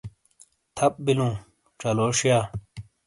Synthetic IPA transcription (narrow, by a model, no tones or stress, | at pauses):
t̪ʰɐp̚bilũː | ʈ͡ʂɐloːʂjaː